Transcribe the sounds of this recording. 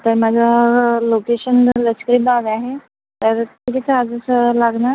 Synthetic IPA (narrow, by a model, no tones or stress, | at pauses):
t̪əɾmad͡zʱalokeɕənləskəɾiːbaʋaɦe | t̪əɾt̪iʈ̪it͡səad͡zəsəlaɡnaɾ